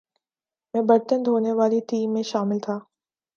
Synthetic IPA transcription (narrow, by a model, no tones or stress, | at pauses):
mɛ̃ːbɐɾt̪ənd̪ɦoːneʋaːliʈiːmːẽʃaːmɪlt̪ʰaː